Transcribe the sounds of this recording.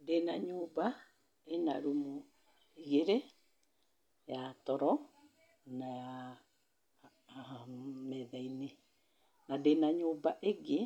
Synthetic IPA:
denaɲoːba | ena̰ɾumu | iɣeɾe | jatɔɾɔ | naja | mɛðaine | nadenaɲoːbaʔeɣe

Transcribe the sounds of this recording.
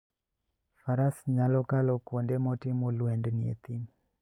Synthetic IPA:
faɾasɲalɔkalɔkwondɛmɔtimolwɛndniḛt̪im

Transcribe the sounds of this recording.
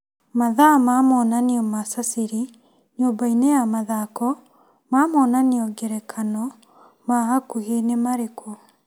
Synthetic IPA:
maðamamɔːnaniɔmasasiɾi | ɲoːbainejamaðakɔ | mamɔːnaneɔɡɛɾɛkʰanɔ | maɣakuɣenemaɾekʰɔ

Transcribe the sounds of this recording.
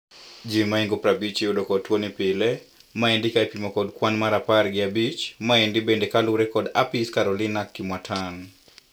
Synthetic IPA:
d͡ʒimaiŋɡopɾabit͡ʃiudokɔtwonipɪlemaɛndɪkaepimokɔdkwanmaɾapaɾɡɪabit͡ʃmaɛndibendekaluɾɛkɔda̰piskaɾɔlinakːɪmwatʰan

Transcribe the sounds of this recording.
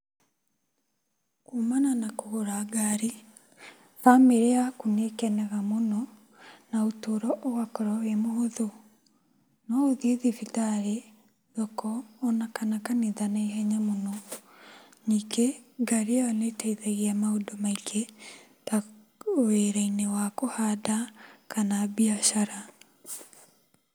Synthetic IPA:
kumananakohoɾaɡaɾi | fameɾeakunekɛnɛɣamonɔ | naotoɾɔʔɔwakɔɾawemoɦoðo | nɔoðiðifitaɾe | ðɔkɔːnakanakaniðanaeɦɛɲamonɔ | nikeɡaɾeaɔnetɛiðɛɣiamaodomaikʰe | ta | weɾainewakohadakʰanaβiaʃaɾa

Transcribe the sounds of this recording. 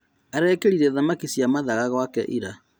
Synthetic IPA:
aɾɛːkeɾiɾɛðamakisjamaðaɣaɣwakɛ̰ʔiɾa

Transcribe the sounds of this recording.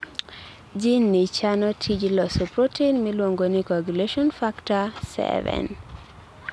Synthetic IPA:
d͡ʒinːit͡ʃanɔtʰid͡ʒlɔsɔpɾotʰenmilwoŋɡonikɔɡuleʃɔnfaktasɛ̰vɛ̰n

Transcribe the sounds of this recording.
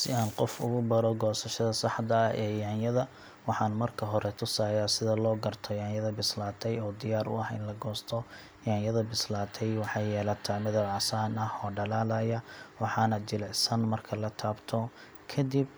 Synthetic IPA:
sɪaːnqɔfʊ̰ɣʊbɐɾɔɡɔːsɐʃɐðɐsɑħd̪ɐːhɛːjaːnjɐðɐ | wɑħɑːnmɐrkʰɐɦɔɾɛt̪ʰʊsaːjaːsɪðɐlɔːɡɐrt̪ʰɔjaːnjɐðɐbɪslaːt̪ʰɛjɔːd̪ɪjaːɾʊ̰ɐhɪ̰nlɐɡɔːst̪ʰɔ | jaːnjɐðɐbɪslaːt̪ʰɛjwɑħɑjːɛːlɐt̪ʰaːmɛðɐʕɑsaːnɐhɔːɖɐlaːlɐjɐwɑħɑːnɐd͡ʒɪlɛʕsɐnmɐrkʰɐlɐt̪ʰaːbt̪ʰɔ | kʰɐd̪ib

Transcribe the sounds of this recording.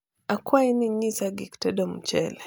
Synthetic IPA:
akwainiɲisaɡiktɛdɔm̩t͡ʃɛ̰lɛ

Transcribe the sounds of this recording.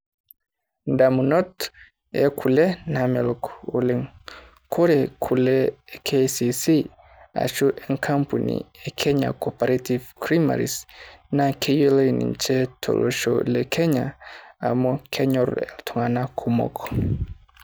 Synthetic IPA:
ndamunɔt | ɛ̰kʰulɛnamɛlkoleŋ | kʰɔɾɛkʰulɛkʰesisi | a̰ʃuʔɛŋkʰampunḭɛkʰɛɲa̰kʰɔpaɾativkɾima̰ɾisnakʰejolenḭnt͡ʃɛtʰo̰lʔɔ̰ʃɔ̰lɛkʰɛɲa̰ː | mɔkʰɛɲɔɾɛ̰ltʰuŋanakʰumɔ̰kʰɔ̥

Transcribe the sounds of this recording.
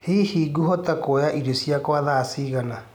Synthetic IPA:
hihiːɡuɦɔtakojaʔiɾesjakwaðaːsiːɣana

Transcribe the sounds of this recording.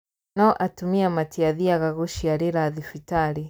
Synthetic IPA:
naɔʔatumiamatiaðiaɣaɣuʃijaɾiɾaðifitaɾi

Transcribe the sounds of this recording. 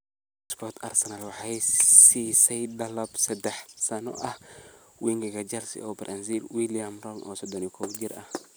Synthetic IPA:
spʰɔrt̪ʰɐ̰rsɛnalwɑħajsisɛjd̪ɐlɐbsɛd̪ɛħsɐnɔ̰ʔɐhwiŋɡɐɡɐd͡ʒɐlsḭɔbɾʔɐ̰nzilwiliɐmrɔŋʔɔ̰ːsɔd̪ɔnikʰɔbd͡ʒɪɾɐ̰h

